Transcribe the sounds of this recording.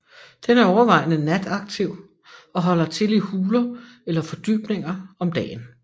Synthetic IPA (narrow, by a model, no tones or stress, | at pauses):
d̥enæɐɒʊɐʋɑ̈ɪ̰nənæd̥ɑ̈ɡ̥̚t͡sʰiʊ̰ | ɒ̽ɦɒ̽l̰ɐt͡sʰe̝lihuːlɐ | elɐfɒ̽d̥y̰ːb̥ne̝ŋɐɒ̽md̥ɛ̰ːn